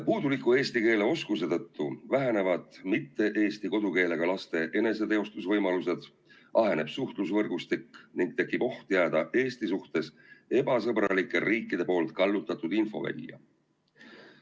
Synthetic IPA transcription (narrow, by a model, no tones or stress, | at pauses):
puːd̪̥ulikːˑue̞ːst̪ike̞ːle̞o̞skuse̞t̪ɤ̞t̪ːuvæɦene̞vɑd̪̥mit̪ːe̞ʔe̞ːst̪iko̞d̪̥uke̞ːle̞ɡ̥ɑlɑst̪e̞ʔe̞ne̞se̞t̪e̞ost̪usvɤjmɑluse̞d̪̥ | ʔɑɦe̞ne̞b̥suht̪lusvɤrɡ̥ust̪ikniŋɡ̥t̪e̞kːˑib̥o̞ht̪jæːd̪̥ɑʔe̞ːst̪isuht̪e̞s | e̞b̥ɑsɤbrɑlikːˑe̞ɾʔiːkːˑid̪̥e̞po̞ːlt̪̚kɑlːut̪ːˑɑt̪ːud̪̥info̞̰væ̰lʲjɑ̰